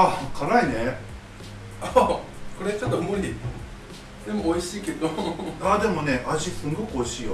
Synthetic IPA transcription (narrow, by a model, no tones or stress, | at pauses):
akʰaɾaine̞ | akoɾe̞t͡ɕot̪͈ːomoɾi | d̪e̞moːiɕiːked̪oad̪e̞mone̞ʔad͡ʑikɯŋɡokoiɕijo